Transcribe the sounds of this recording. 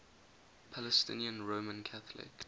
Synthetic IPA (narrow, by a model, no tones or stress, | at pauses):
pʰalɛstɪ̰̃niə̃nɹoːmə̃nkʰaθəlɪ̰k